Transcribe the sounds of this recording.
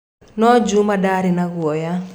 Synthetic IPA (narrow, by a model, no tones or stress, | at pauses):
nɔd͡ʒumadaɾɪnaɡwɔja